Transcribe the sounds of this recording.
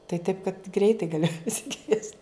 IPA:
tɐɪ tɐɪp kɐt ˈɡrʲɛɪtɐɪ ɡɐˈlʲɪ pɐsʲɪˈkʋʲiɛsʲtʲ

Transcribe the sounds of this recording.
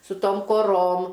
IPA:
sʊ ˈtoːm koːˈroːm

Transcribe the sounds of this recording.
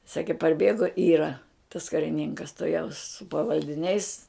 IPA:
ˈsɑːkʲeː pɐrʲˈbʲeːɡoː ˈiːrɐ tɐs kɐrʲɪˈnʲɪŋkɐs tʊˈjɛʊs sʊ pɐʋɐlʲdʲɪˈnʲɛɪs

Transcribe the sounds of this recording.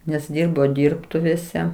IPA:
nʲɛs ˈdʲiːrboː ˈdʲiːrptʊʋʲeːsʲɛ

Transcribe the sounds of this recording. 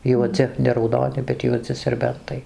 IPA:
juɔˈd͡zʲɪ nʲɛ rɐʊˈdoːnʲɪ bʲɛt juɔˈd͡zʲɪ sʲɛrʲˈbʲɛntɐɪ

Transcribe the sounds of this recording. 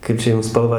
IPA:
ˈkɐɪp t͡ʃʲɛ ˈjʊm spɐlˠˈʋɑː

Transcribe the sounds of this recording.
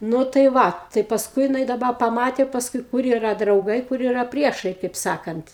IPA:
ˈnʊ tɐɪ ˈʋɐ tɐɪ pɐˈskʊɪ jɪˈnɐɪ dɐˈbɐ pɐˈmɑːtʲeː pɐsˈkʊɪ ˈkʊr iːˈrɐ drɐʊˈɡɐɪ ˈkʊr iːˈrɐ ˈpʲrʲiɛʃɐɪ kɐɪp ˈsɑːkɐnt

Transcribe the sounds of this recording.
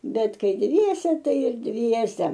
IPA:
ˈbʲɛt ˈkɐɪ ˈdʲʋʲiɛsʲɛ ˈtɐɪ ɪr ˈdʲʋʲiɛsʲɛ

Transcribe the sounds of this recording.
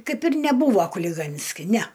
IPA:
ˈkɐɪp ɪr nʲɛˈbuːʋoː kʊlʲɪˈɡɐnʲsʲkʲɪ nʲæ

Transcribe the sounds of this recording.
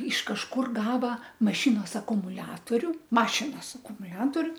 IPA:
ɪʃ kɐʃˈkʊr ˈɡɑːʋɐ mɐˈʃʲɪnoːs ɐkʊmʊˈlʲæːtoːrʲʊ ˈmɑːʃʲɪnoːs ɐkʊmʊˈlʲæːtoːrʲʊ

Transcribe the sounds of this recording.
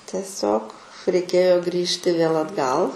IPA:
tʲiɛˈsʲoːk rʲɛɪˈkʲeːjoː ˈɡrʲiːʃʲtʲɪ ʋʲeːlˠ ɐdˈɡɐlˠ

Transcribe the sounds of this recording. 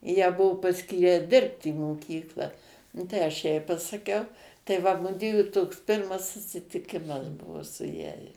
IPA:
jæː ˈbuɔ pɐˈsʲkʲiːrʲæː ˈdʲɪrpt iː moːˈkʲiːklˠɑː ˈnʊ tɐɪ ˈɐʃ ˈjɛɪ pɐsɐˈkʲɛʊ tɐɪ ˈʋɐ ˈmʊdʲʋʲiɛjuː toːks ˈpʲɪrmɐs sʊsʲɪtʲɪˈkʲɪmɐs ˈbʊʋoː sʊ ˈjæːjɛ

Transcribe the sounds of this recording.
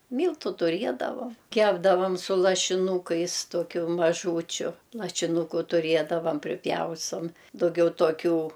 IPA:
ˈmʲiːlˠtʊ tʊˈrʲiɛdɐʋɐm ˈkʲæːbdɐʋɐm sʊ lˠɐʃʲɪˈnuːkɐɪs ˈtoːkʲʊ mɐˈʒuːt͡ʃʲʊ lˠɐʃʲɪˈnuːkʊ tʊˈrʲiɛdɐʋɐm pʲrʲɪˈpʲjɛʊstoːm dɐʊˈɡʲɛʊ toːˈkʲuː

